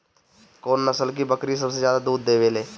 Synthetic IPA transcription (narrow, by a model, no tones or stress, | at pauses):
koːnːəsəlk̬ibəkɾisɐbsezjaːd̪ad̪uːd̪̚ːeːʋeːleː